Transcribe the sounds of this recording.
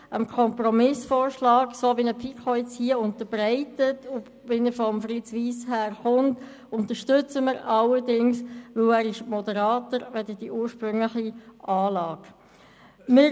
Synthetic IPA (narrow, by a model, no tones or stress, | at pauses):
əmkʰɔmprɔmɪsfoːɾʃlɑːksoːʋinəpʰikχɔʏt͡shiəʊntəb̥ɾɛɪtətʊ | ʋɪnəfɔmfɾɪt͡sʋiːshæːɾχʊnt | ʊntəʃtʏt͡səməɾɑlədɪŋsʋɵwæːɾɪʃmɔdəɾɑːtəɾʋɛdəd̥iʔuːɾʃpɾʏŋləχiʔɑːlɑːɡ̥ | mɪ